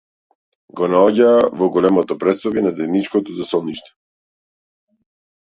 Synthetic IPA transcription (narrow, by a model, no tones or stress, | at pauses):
ɡɔnaɔɟaːvɔɡɔlɛmɔt̪ɔpɾɛt̪sɔbɛnazɛd̪nit͡ʃkɔt̪ɔzasɔlˠniʃt̪ɛ̥